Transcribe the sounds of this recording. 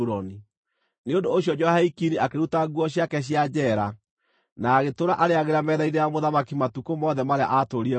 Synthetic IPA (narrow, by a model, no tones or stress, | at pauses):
ɾɔni | neondoːɕjɔd͡ʒɔhaikiniakeɾutaɡwɔɕ̬jakɛɕ̬jad͡ʑɛɾa | naːɣetoɾaʔaɾeaɣeɾamɛðainejamoðamakimatukomɔðɛmaɾea̰ʔatoɾiɛ